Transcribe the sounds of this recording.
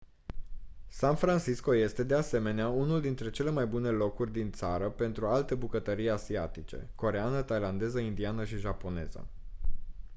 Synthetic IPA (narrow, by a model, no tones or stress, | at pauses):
sanfɾansisko̞je̞st̪e̞d̪e̞ase̞me̞neaunuld̪int̪ɾe̞t͡ʃe̞le̞majbune̞lo̞kurʲd̪int̪saɾəpe̞nt̪ɾualt̪e̞bukət̪əɾijasiat̪it͡ʃe̞̰ko̞ɾe̞anət̪ajland̪e̞zəind̪ianəʃiʒapo̞ne̞zə̰